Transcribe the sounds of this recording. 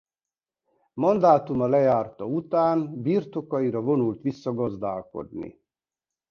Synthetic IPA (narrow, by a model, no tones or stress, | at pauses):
mɒnd̪aːt̪umɒlɛjaːrt̪ɒut̪aːnbirt̪o̞kɒiɾɒvo̞nult̪ʋisːɒɡɒzd̪aːlko̞̰d̪nḭ